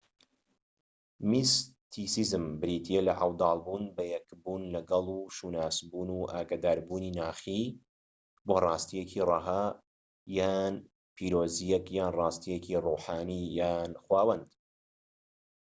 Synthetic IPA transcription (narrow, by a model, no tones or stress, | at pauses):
mist̪ʰisizɨmbɨɾiːt̪ʰielɐ̰ʔa̰wd̪ɑːlˠbuːnbɐjɛkbuːnlɐɡɑlˠuːʃuːnaːsbuːnuːʔaːɡad̪aːɾbuːninaːxiː | boːrˤɑːst̪ijecʰirˤɑɦa | jaːn | pʰiːɾoːzijɛkjaːnrˤɑːst̪ijeciruːħaːnijaːnxwaːwɐnd̪